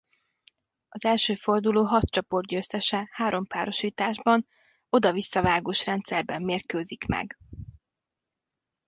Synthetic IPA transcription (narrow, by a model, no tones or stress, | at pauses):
ɒzɛlʃøːfo̞rd̪uloːɦɒt̪t͡ʃɒpo̞rɟøsɛʃɛhaːɾʔo̞mpaːɾo̞ʃiːt̪aːʒbɒn | o̞d̪ɒvisːɒvaːɡoːʃrɛnt̪sɛrbɛmːeːrkøːzikmɛ̰ɡ